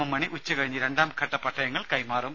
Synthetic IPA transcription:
ɐmːɐɳiʔut͡ɕːɨkɐɻiɲːɨɾe̞ɳɖaːmkʰɐʈːɐpːɐʈʰːɐjɐŋːɐɭkɐjmaːrum

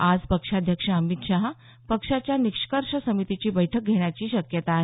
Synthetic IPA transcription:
ad͡zpəkʂad̪ʱjəkʂəəmit̪ɕaɦ | pəkʂat͡ɕjanikʂkəɾʂəsəmit̪it͡ɕiːbəjʈʰək̚ɡʱeɽjat͡ɕiːɕəkjət̪aːɦ

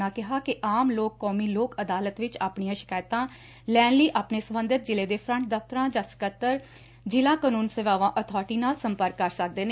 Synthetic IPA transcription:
ãːkɪɦaːkɪʔaːmloːkːɔːmiːloːkəd̪aːlət̪ʋɪt͡ʃaːpɳijãːʃɪ̥kaːjt̪ãː | lɛːnliːʔaːpneːsəmənd̪ət̪̚d͡ʒɪleːd̪eːpʰɾəɳʈ̚d̪əft̪ɾãːd͡ʒãːsə̥kət̪ːəɾ | d͡ʒɪlãːkənuːnsəʋaːʋãːʔət̪ʰɔːɾʈiːnaːlsəmpəɾkːəɾsək̚d̪eːne

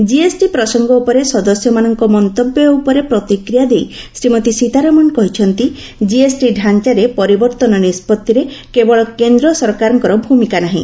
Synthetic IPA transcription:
d͡ʒiesʈipɾɔsɔŋɡɔupɔɾesɔd̪ɔsjɔmanɔŋkɔmɔnt̪ɔbjɔupɔɾepɾɔt̪ikɾijad̪ejsɾimɔt̪isit̪aɾamɔnkɔɦit͡ʃʰɔnt̪i | d͡ʒiesʈiɖʱant͡ʃaɾepɔɾibɔɾt̪ɔnɔnispɔt̪ːiɾekebɔɭɔkend̪ɾɔsɔɾkaɾɔŋkɔɾɔbʱumikanaɦḭ̃

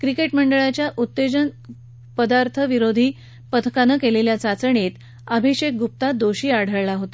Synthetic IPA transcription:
kɾikeʈməɳɖəɭat͡ɕjaʔut̪ːed͡ʑən | pəd̪aɾt̪ʰəʋiɾod̪ʱiː | pət̪ʰə̥kanəkeleljat͡sat͡səɳet̪ | əbʱiɕek̚ɡup̚t̪ad̪oɕiːaɽ̤əɭlaɦot̪a

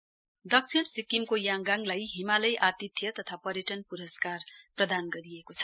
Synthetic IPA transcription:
d̪ʌk̚t͡sʰiɽsikimkojaŋɡaŋlajɦimalʌjʔat̪it̪ʰjʌt̪ʌt̪ʰapʌɾjeʈʌnpuɾʌskarprʌd̪anɡʌɾiekot͡sʰʌ̥

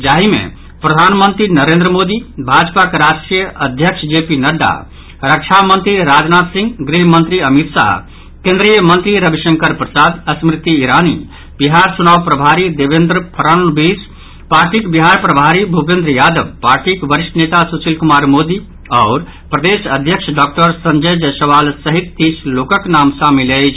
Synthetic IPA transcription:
d͡ʒaːɦimḛ̃ | pɾəd̪ʱaːnmə̃nt̪ɾinəɾẽːnd̪ɾəmoːd̪ibʱaːd͡ʒpakeɾaːʃʈɾijəʔɐd̪ʱjəkʂd͡ʒeːpinɐɖːa̰ | ɾəkʃʰamə̃nt̪ɾiɾaːd͡ʒnaːt̪sɪ̃ŋɡɡɾiɦmə̃nt̪ɾiɐmit̪ʃa̰ɦ | kẽːnd̪ɾijəmə̃nt̪ɾiɾɐbiʃə̃ŋkəɾpɾəsaːd̪ɐsmɾɪt̪ːiːɾaːnḭ | biɦaːɾt͡ʃunaːʋpɾɐbʱaːɾid̪eʋẽnd̪ɾəpʰɐɾannbis | paːɾʈikbiɦaɾpɾɐbʱaːɾibʱupẽnd̪ɾəjaːd̪əʋpaːɾʈikʋəɾiʃʈnet̪asusilkumaːɾmod̪i | ɔːɾ | pɾɐd̪eːsəd̪ʱjəkʃʰɖɔːk̚ʈəɾsəɲd͡ʒəd͡ʒsɐʋaːlsəɦit̪ːisloːkəknaːmsamilət͡ʃʰ

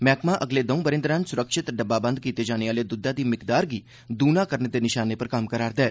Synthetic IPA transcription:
mɛːkmãːʔəɡleːd̪əũːbəɾɪ̃nd̪ɾãːnsʊɾəkʃɪt̪ɖəbːaːbə̃nd̪̚kiːt̪eːd͡ʒaːneaːleːd̪ʊd̪aːd̪iːmɪkd̪aːɾɡiː | d̪uːnãːkəɾneːd̪eːnɪʃaːneːpəɾkɐmkəɾaːɾd̪ɛː

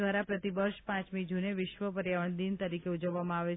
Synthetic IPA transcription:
ʋaɾapɾət̪ibəɾʃpãt͡ʃmid͡ʒuneʋɪʃʋəpəɾjaʋəɳd̪int̪əɾikeud͡ʒəʋːamãaʋe

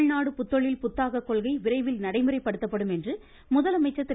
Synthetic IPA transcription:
ɭnaːɽɯpʊt̪ːɔɭɪlpʊt̪ːaːɣɐkːɔɭɣɐɪʋɪrɐɪʋɪlnɐɽɐɪmɯrɐɪpːɐɽɯt̪ːɐpːɐɽɯmɛndrɯ | mʊðɐlɐmɐɪt͡ʃːɐt̪ːɪ

